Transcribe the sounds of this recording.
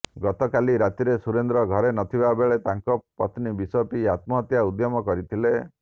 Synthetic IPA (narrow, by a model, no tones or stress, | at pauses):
ɡɔt̪ɔkaliɾat̪iɾesuɾend̪ɾɔɡʱɔɾenɔt̪ʰibabeɭet̪aŋkɔpɔt̪nibisɔpiat̪̚mɔɦɔt̪jaud̪jɔmɔkɔɾit̪ʰile